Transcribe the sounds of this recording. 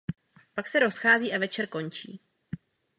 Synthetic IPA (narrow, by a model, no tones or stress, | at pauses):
paksɛɾo̞sxaːziːʔavɛt͡ʃɛɾko̞ɲt͡ʃḭː